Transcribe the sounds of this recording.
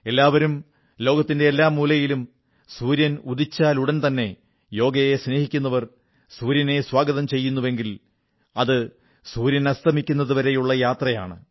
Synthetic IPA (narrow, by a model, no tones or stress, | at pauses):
e̞lːaːʋɐɾum | lo̞ːɡɐt̪ːinde̞ːlːaːmːuːlɐjilum | suːɾjɐnuðit͡ɕːaːluɽɐnt̪ɐnːe̞ | jo̞ːɡɐjesne̞ːhikʲːunːɐʋɐr | suːɾjɐne̞swaːɡɐðɐmt͡ɕe̞jːunːuʋe̞ŋɡil | ɐðɨ | suːɾjɐnɐst̪ʰɐmikʲːunːɐðuʋɐɾe̞juɭːɐjaːt̪rɐja̰ːɳɨ